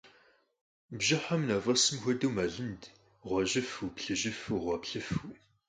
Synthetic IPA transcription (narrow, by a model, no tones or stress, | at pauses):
bʒɐħamnavɐsɨmxʷɐduwmɐɮɨnd | ʁʷɐʒɨfupɬɨʒɨfuʁʷɐpɬɨf